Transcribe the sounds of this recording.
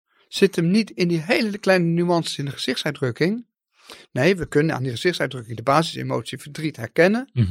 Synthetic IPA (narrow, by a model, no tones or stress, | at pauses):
z̥ɪtʰəmnitɪndiɦejləklɛjnənyɑnsi̥sɪndəχəz̥ɪχtsœɥdrɵkɪŋ | nejʋəkɵnəna̰ːndiχəz̥ɪxtsœɥdrɵkɪŋdəbaːzɪsḛmo̰wtsifvəɹdritɦɛɹkɛnən